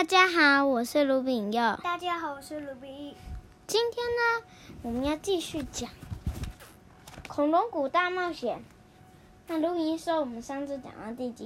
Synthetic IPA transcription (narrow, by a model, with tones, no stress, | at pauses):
t̪a˥˩t͡ɕja˥xɑ˧˦ʊwɔ˨˩ʂɻ̩˥˧lu˧˥pi˨˩˧jɑ˥˩ʊt̪a˥˧t͡ɕja˥xɑ˨˦wɔ˨˩ʂɻ̩˥˩lu˧˥pi˧˩i˥˩ | t͡ɕi˥nt̪ʰjɛ˥nnə˨ | wɔ˨˩mə˧˦njɑ˥˧ʊt͡ɕi˥˧ɕy˥˩t͡ɕjɑ˨˩˦ŋ | kʰʊ˨˩ŋlʊ˧˥ŋku˨˩t̪a˥˧mɑ˥˩ʊɕjɛ˨˩˦n | na˥˩lu˧˥i˨˧i˧˥nʂo˥wɔ˨˩mə˦nʂa˥ŋt͡sɹ̩˥˩ʈ͡ʂa̰˨˩ŋa˥˧t̪i˥˩t͡ɕḭ˧˥